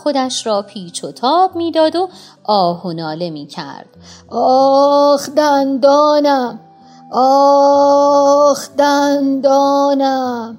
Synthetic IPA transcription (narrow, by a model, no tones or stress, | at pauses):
xod̪æʃɾɒːpʰiːt͡ʃʰot̪ʰɒːbmiːd̪ɒːd̪o | ʔɒːhonɒːle̞miːcʰæ̰ɾd̪̥ɒːxd̪ænd̪ɒːnæm | ɒː | xd̪ænd̪ɒːnæm